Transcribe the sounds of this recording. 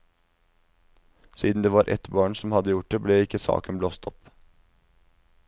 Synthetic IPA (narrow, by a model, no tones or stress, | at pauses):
siːd̪n̩d̪eːʋɑːɾʔɛ̰t̪bɑːɳsɔmhɑd̪əjʊʈ̚d̪ebleːɪkəsɑ̰ːkənbloːst̪ʰɔp